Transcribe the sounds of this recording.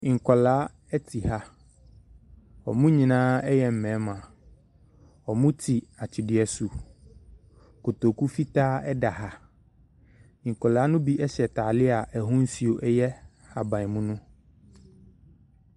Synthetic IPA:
ŋ̩˨kɔ˨laː˦ | ɛ˦tʰi˨ɦa˦ | ɔ̰˨mũ˦ɲĩ˨nãː˦ɛ˦jɛ˨m̩˨mɛ̃˨˦mã˨ | ɔ˨mũ˦tʰi˨a˨t͡ɕʰi˨dɪ˨ɛ˨su˨ | ko˨t̪o˨ku˦fi˦taː˦ɛ˦da˨ɦa˦ | ŋ̩˨kɔ˨laː˨˦nʊ̃˦bi˦ʔɛ˦ɕɛ˨ta˨lɪ˦a˨ʔɛ˨ɦũ˦n̩˦si˨o˨ʔɛ˦jɛ˦ | ha˨bã˨mũ˦nʊ̃˦

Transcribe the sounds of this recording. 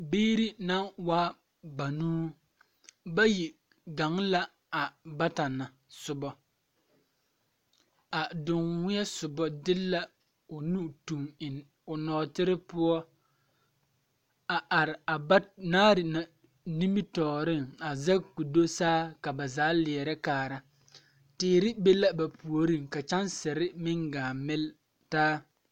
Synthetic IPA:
biː˦ɾi˦na˦waː˦ | ba˨nuː˦ | ba˦ji˨ | ɡa˨ŋla˦ | a˨ba˦ta˨na˨ | sʊ˨bɔ˦ | a˨dʊ˨ŋwɪ˦ɛ˦sʊ˨bɔ˦dɪ˦lːa˦ | o˨nu˦tu˨mɪ˨ | ʊ˨nɔː˨tɪ˦ɾɪ˦pʊ˦ɔ˦ | a˨ʔa˨ɾɪ˨a˨ba˦naː˦ɾɪ˨na˨ | ni˦mi˦tɔː˨ɾɪ˦ŋa˨za˦ku˨do˦saː˦ka˨ba˨zaː˨˦lɪ˨ɛ˨ɾɛ˦kaː˨ɾa˦ | tɪː˨˦ɾɪ˦be˦la˦ba˨pʰu˨o˨ɾĩ˦ŋka˨t͡ʃa˦nsɛ˨ɾɪ˦mɪ˦ŋɡaː˨mɪ˦l | taː˦

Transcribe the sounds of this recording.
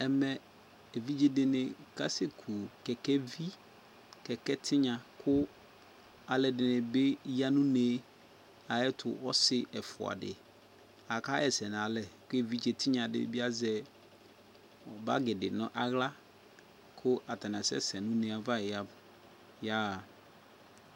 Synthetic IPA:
ɛ˨mɛ˨ | e˨vi˦d͡ʒe˦dɪ˨nɪ̃˨ka˦se˦kʰu˨kɛ˨kɛ˦vi˦ | kɛ˨kɛ˦tʰɪ˦ɲã˨kʰʊ˦ | a˨lɛ˨dɪ˨nɪ̃˨be˦ja˦nũ˦neː˨˦ | a˨ɛ˦tʰʊ̰˨ʔɔ˦sɪ˦ʔɛ˨fʊ̰˨a̰˨dɪ̰˨ | a˨ka˦ɛ˨sɛ˨n˨a˨lɛ˨kʊ˦e˦vi˦d͡ʒe˨tʰɪ˦ɲã˨dɪ̰˨˦bi˦a˦zɛ˦˨ | ba̰˦ɡɪ˨dɪ˨nʊ̰̃˦ʔa˨ɣla˦ | kʰʊ˦ʔa˨ta˨nã˨sɛ̰˦sɛ˨nũ˦ne˨a˨va˦˨ja˦b | ja˦˨

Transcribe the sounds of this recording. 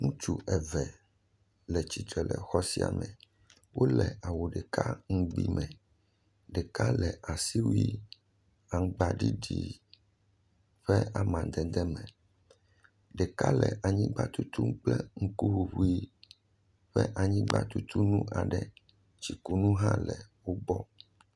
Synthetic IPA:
ŋũ˦t͡ʃu˨ʔɛ˨vɛ˨ | lɛ˨t͡ɕi˨t̪ɾɛ˨lɛ˨xɔ˦si˦a̰˨mɛ̃˨ | wʔo˦lɛ˨a˨wo˨ɖɛ˨ka˦ŋũ˦ɡ͡bḭ˦mɛ̃˨ | ɖɛ˨ka˦lɛ˨ʔa˨si˦wi˦ | a˨ŋ˦ɡ͡ba˦ɖi˦ɖḭ˨ | ɸɛ˦a˨mã˨d̪ɛ˨d̪ɛ˦mɛ̃˨ | ɖɛ˨ka˦lɛ˨ʔa˨ɲĩ˦ɡ͡ba˦t̪u˦t̪u˦ŋ˦k͡plɛ˦ŋ̩˦ku˦wu˨ɸu˨i˦ | ɸɛ˦ʔa˨ɲĩ˦ɡ͡ba˦t̪u˦t̪u˦nũ˦ʔa˨ɖɛ˨ | t͡ʃi˨ku˨nũ˦ɦã˦lɛ˨wo˦bɔ˦

